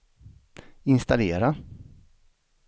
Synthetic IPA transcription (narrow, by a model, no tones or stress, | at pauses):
ɪnst̪aleːɾa